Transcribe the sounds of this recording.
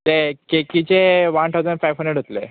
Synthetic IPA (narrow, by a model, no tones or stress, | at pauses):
t̪ekekit͡ɕeʋant̪ʰawd͡zəɳfajʋɦəɳɖəʈɦot̪le